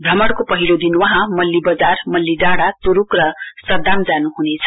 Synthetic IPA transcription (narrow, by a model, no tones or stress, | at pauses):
bʱʌmʌɽkopʌɦilod̪inwʌɦãmʌlːibʌd͡zarmʌlːiɖaɽat̪uɾukrʌsʌd̪amd͡zanuɦunet͡sʰʌ̥